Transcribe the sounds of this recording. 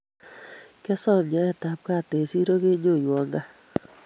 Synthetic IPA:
kɛ˦sɔ˦˨ɾɲa˦ɛ˦˨ta˨˦p̚ka˦˨te˨si˦ɾo˦ke˦ɲo˦˨jwɔ˨ŋɡa˦

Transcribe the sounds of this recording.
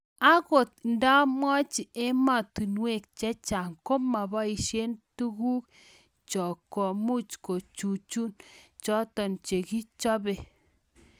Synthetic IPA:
a˦ko˨t̚nda˦mwɔ˦t͡ʃi˨ʔe˦ma˦˨tu˨nwe˦˨k̚t͡ʃɛ˦t͡ʃa˨ŋko˦ma˨bɔ˦i˨ʃje˦ntu˦ku˦k̚ | t͡ʃɔ˨kɔ˨mu˦t͡ʃko˨t͡ʃu˨t͡ʃu˦n | t͡ʃɔ˦tɔ˨nt͡ʃe˨ki˦t͡ʃɔ˦be˨

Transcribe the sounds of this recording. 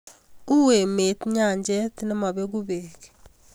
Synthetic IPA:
u˦we˨me˨tɲa˦˨ɲd͡ʒe˦tne˦ma˨βe˦ɣu˦βe˨k

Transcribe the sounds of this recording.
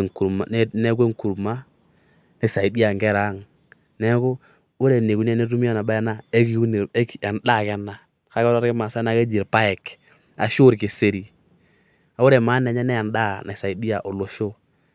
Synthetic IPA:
ŋku˨ma̰˨˦ne˦k̬e˦ŋku˨ɾma˦ | na˨sa˨i˨˦di˦a˨ŋɡɛ˦ɾa˨˦ŋ | nɛ˦kʊ˦ | ʊ˦ɾe˨ne˨ku˦n˦e˦ne˦tu˦mi˦a˦na˨ba˦na˦e˦ki˦ku˦ne˨e˦ka˨nda˦˨kɛ˦nːa˨ | ka˨˦kɔ˦ɾa˦ɾkɪ˦ma˨sa˦na˦ke˦d͡ʒi˨ɾpa˦ɛ˨k | a˨ʃu˦ɾke˨se˨ɾi˨ | a˨˦ʊ˦ɾe˨maː˨˦nɛ˨ɲɛ˦nɛ˦a˨nda˦˨na˨sa˨i˨di˦a˨ʔo˨lo˨ʃo˦

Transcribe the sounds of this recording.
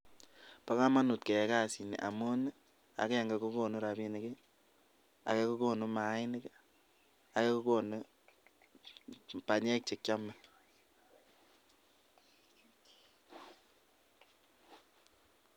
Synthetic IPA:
pa˦ka˦ma˦nu˨t̚kɛ˨ɛ˦ka˦si˨nḭ˨ʔa̰˨mo˦n˦ | a̰˨kɛ˦˨ŋɡa˨ku˦ko˨nu˦ɾa˨bi˦ni˨ki˦ | a̰˨ke˦ku˦ko˦nu˦ma˨˦ɪ˦ni˦k | a˨ke˦ku˦ko˦nu˦ | pa˨ɲɛ˦k̚t͡ʃe˨k̚t͡ʃa˦mːa˦

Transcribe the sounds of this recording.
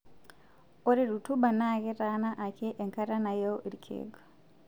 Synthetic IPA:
o˦ɾe˦ɾu˨tu˦ba˨na˦ke˦ɾa˦na˦ʔa˨ke˦ʔe˨ŋka˦ɾa˦na˨jo˦ʔi˨ɾkʰḛ˨ɡ

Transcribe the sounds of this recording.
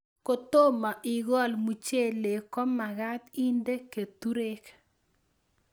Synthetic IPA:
ko˨t̪o˦ma˨ʔi˨ɡɔ˦˨lmu˨t͡ʃe˦˨le˨kɔ˦ma˨ɣa˦t̪i˦nde˦ke˨t̪u˦ɾe˦k

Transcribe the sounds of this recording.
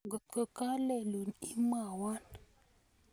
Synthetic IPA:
ɡə˨t̚kə˨ka˦le˨lu˨ni˦ma˨wa˦n

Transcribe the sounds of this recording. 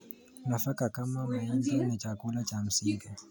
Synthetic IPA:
una˨fa˦ka˨ka˦ma˦ma˨i˦nzɔ˦ni˨t͡ʃaku˦lat͡ʃa˨m̩˨siŋɡi

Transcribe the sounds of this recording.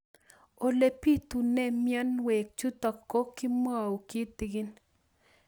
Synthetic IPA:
o˨le˨pi˦t̪u˨ne˦mjɛ˦nwe˨k̚t͡ʃu˦t̪ɔ˨kːo˦kɪ˦mwa˦˨o˨ki˦t̪ɪ˨ɡɪ˦n

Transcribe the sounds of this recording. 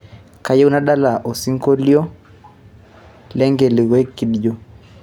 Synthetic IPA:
ka˨jɛ˦u˦na˦ɗa˦la˨ʔo˨si˦ŋkɔ˦li˦ɔ˦ | lɛ˦ŋɡɛ˨li˨ɣɛ˦ki˨ɗi˨jɔ˦˨

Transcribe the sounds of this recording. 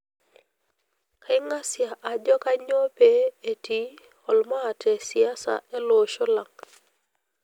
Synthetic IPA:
ka˦ɪ˦ŋa˦sja˨ʔa˨d͡ʒɔ˦ka˦ɲɔ˦pe˦e˨ti˨˦ | ɔ˨lmaː˦˨tʰɛ˨sja˦sa̰˦ɛ˦lo˨ʃo˦la˨ŋ

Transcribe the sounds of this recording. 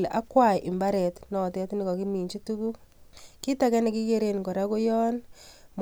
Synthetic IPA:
lʔa˦kwa˦˨ʔɪ˨mba˦ɾɛ˨tnɔ˨tɛ˦tnɪ˨kɔ˨ki˦mi˨ɲt͡ʃi˦tu˦ku˦ki˦ta˨kɛ˦nɛ˨ki˦ke˦ɾe˦nko˨ɾa˦ko˦jɔ˦nm

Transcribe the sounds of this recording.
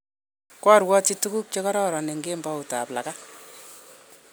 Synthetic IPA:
kwɔ˦rwɔ˦t͡ʃitu˦ku˦k̚t͡ʃe˦kɔ˦ɾɔ˦ɾɔ˨ne˨ŋɡe˦mba˦uta˨plaka˦

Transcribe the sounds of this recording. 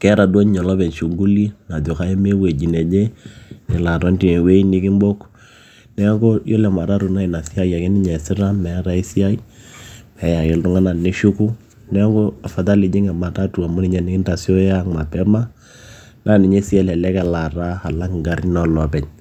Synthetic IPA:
kɛ˦ɾa˨dwo˦ɲɲɔ˨lɔ˦pɛ˨ɲʃu˨ɡu˦li˦na˨t̬o˨ka˨˦je˦me˦we˨d͡ʒi˨nɛ˨d͡ʒe˦nɪ˨la˨ɾɔ˦nti˨we˦nɪ˦kɪ˦mbo˦k | nɛ˦ɡo˦jo˦lɛ˨ma˨ɾa˦ɾu˨na˦i˨na˨si˦a˦ja˨kɛ˦nɪ˦ɲɛ˨sɪ˦ɾa˦mɛ˨˦ɾa˨i˦si˦a˦i˦mɛ˨ja˨ke˨ltʊ˦ŋa˦na˨nɪ˦ʃu˦ku˦ | nɛ˦ɡo˦a˨fa˨t̬a˦lɪ˨d͡ʒɪ˦ŋɛ˨ma˨ta˦tu˨a˨mʊ˦nɪ˦ɲɛ˦nɪ˦kɪ˦nta˨si˦o˦ja˦ŋma˨pɛ˦ma˦ | na˦˨nɪ˨ɲɛ˦si˦a˦lɛ˨lɛ˦kɛ˨la˨ɾa˦ha˨la˦kŋ˨ɡa˨ɾi˦nɔ˨lɔ˨pɛ˨ɲ

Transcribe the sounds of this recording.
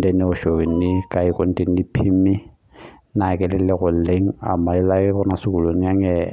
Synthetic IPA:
de˦nɪ˦ʊ˨ʃo˨wi˨n̩nɪ˦kʼa˨i˦ko˦n̩˦tʼe˦n̩˦di˦pʰi˦mi˦ | na˨kʼɛ˦lɪ˦lɪ˦ɣʊ˨l̩le˦ŋ̩˦a̰˨ma˨ɪ˦la˦kɛ˦ɣʊ˦na˦sʊ˦ku˨lo˨ni˦a˦ŋɛ˨

